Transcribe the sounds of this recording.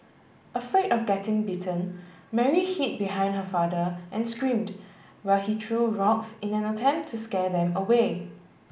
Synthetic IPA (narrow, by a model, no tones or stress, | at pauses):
ʔəfɹetɔfɡɛtɪ̃ŋbitʰə̃n | mɛɹihit̚biɦãɪ̃ndhəfadəʔɛ̃nskɹĩmd | waɪlhidɹuɹɔksɪ̃nɛ̃nətʰɛ̃mp̚tʰːuskɛdɛ̃məwe